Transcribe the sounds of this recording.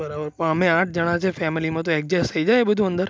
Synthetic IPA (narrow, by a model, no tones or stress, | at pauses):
bəɾabəɾpə̃əmẽãːʈ̚ʰd͡ʒəɽ̃ãt͡ʃʰefɛmilimãt̪̬oek̚d͡ʒɛst̪ʰəid͡ʒajebəd̪ʱũə̃nd̪əɾ